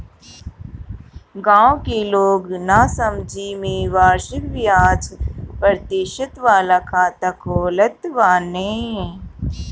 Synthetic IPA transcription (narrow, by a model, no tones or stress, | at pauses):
ɡãːõkeloːɡnasɐmd͡ʒʱimĩːʋaːɾʃɪkʋjaːt͡ʃpəɾt̪ɪʃət̪ʋaːlakʰaːt̪akʰoːlət̪ʋaːneː